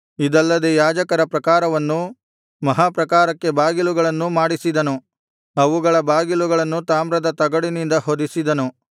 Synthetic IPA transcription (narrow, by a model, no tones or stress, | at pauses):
id̪ɐlːɐd̪ejaːd͡ʒɐkɐɾɐpɾɐkaːɾɐʋɐnːu | mɐɦaːpɾɐkaːɾɐkːe̞baːɡiluɡɐɭɐnːumaːɽisid̪ɐnu | ɐʋuɡɐɭɐbaːɡiluɡɐɭɐnːut̪aːmɾɐd̪ɐt̪ɐɡɐɽinind̪ɐɦod̪isid̪ɐnu